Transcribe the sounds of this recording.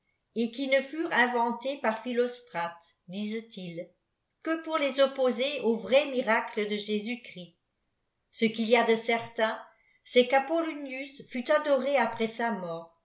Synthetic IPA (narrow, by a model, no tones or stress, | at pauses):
ekinəfyːʁɛ̃vɑ̃t̪epaʁfilost̪χat̪ | d̪iːzt̪il | kəpuʁlezopozeovʁɛmiʁakləd̪əʒezykχi | səkiliad̪əsɛʁt̪ɛ̃ | sɛkapɔlunjysfyt̪ad̪ɔʁeapχɛsamɔːʁ